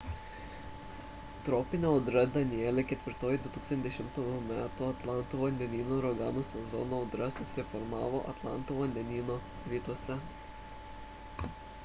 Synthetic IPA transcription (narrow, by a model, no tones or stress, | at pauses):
t̪ɾɔːpʲɪnʲɛʊd̪ɾɐd̪ɐnʲɪɛlʲekʲɛt̪ʲʋʲɪɾt̪oːjid̪ʊt̪uːksɐnʲd̪ʲɛʃʲɪmt̪uːjumʲæːt̪uɐt̪lˠɑˑnt̪uːʋɐnʲd̪ʲɛnʲiːnoɾɔɡɑːnuːsʲɛzɔ̰noːʊd̪ɾɐsʊsʲɪfɔɾmɑːʋoʔɐt̪lˠɑ̰ˑnt̪uːʋɐnʲd̪ʲɛnʲiːnoː | ɾʲiːt̪uɔsʲɛ